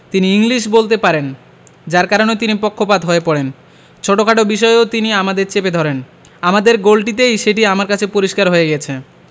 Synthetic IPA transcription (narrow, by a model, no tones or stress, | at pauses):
t̪iniiŋliʃ̬bolt̪epaɾen | d͡ʑaɾkaɾonet̪inipokʰːopad̪ɦoepɔɽen | t͡ɕʰoʈokʰaʈobiʃ̬ɔeot̪iniamad̪eɾt͡ɕeped̪ʱɔɾen | amad̪eɾɡolʈit̪̬ejʃeʈiamaɾkat͡ɕʰepoɾiʃkaɾɦojeɡijet͡ɕʰe